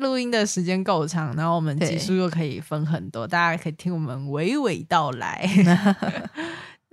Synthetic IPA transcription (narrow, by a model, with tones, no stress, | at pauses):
lu˥˩i˥ŋd̪ə˨ʂɻ̩˧˥t͡ɕjɛ˥nko˥˩ʊʈ͡ʂʰɑ˧˥ŋna˧˥wɔ˨˩mə˦nt͡ɕi˥˩ʂu˥jo˥˩ʊkʰɤ˧˥ḭ˨˩fə˥ŋxə˨˩nt̪wɔ̰˥t̪a˥˧t͡ɕja˥˩kʰɤ˧˥i˨˩t̪ʰi˥ŋwɔ˨˩mə˦nwe˧˥ɪwe˧˩ɪt̪ɑ˥˩ʊla̰˧˥ɪn˧